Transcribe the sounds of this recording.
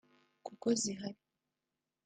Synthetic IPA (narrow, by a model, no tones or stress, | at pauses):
kukoziɦaɾi